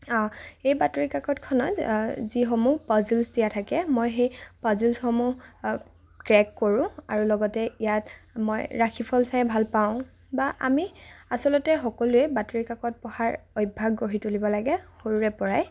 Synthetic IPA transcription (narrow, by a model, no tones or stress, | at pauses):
ɔ̃ejbatɹikakɔtkʰɔnɔtzixomupɔzilsdijatʰakɛmojɦejpazilsxomu | kɹɛkːoɹʊ̃a̰ɹulɔɡɔtɛijatmo̰jɹakʰipʰɔlsajbʱalpaʊ̃ | baʔa̰miasɔlɔtɛxɔkɔluɛbatoɹikakɔt̚pɔxaɹojbʱaɡɡoɹitulibɔlaɡɛxoɹuɹɛpɔɹaj